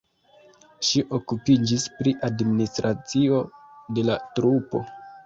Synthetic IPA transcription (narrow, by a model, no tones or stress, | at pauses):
ʃiʔo̞kupid͡ʒispɾiʔadministɾat͡sio̞de̞latɾupo̞̰